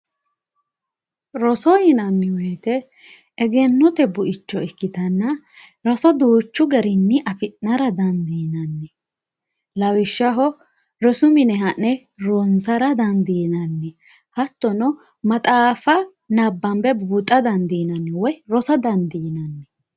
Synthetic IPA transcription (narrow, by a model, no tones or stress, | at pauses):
ɾɔsɔjɪnɐnːɪwɔjt̪ɛː | ɡɛnːɔt̪ɛbʊʔɪt͡ʃːɔɛkːɪt̪ɐnːɐ | ɾɔsɔd̪uːt͡ʃːʊɡɐɾɪnːɪʔɐfɪnːɐɾɐd̪ɐnd̪iːnɐnːɛ | lɐwɪʃːɐɦɔ | ɾɔsʊmɪnɛɦɐnːɛ | ɾɔnzɐɾɐd̪ɐnd̪iːnɐnːɛ | hɐt̪ːɔnɔ | mɐt̪ʼaːfɐ | nɐbːɐmbɛbuːt̪ʼːɐd̪ɐnd̪inɐnːɛwɔjɾɔsɐd̪ɐnd̪iːnɐnːɛ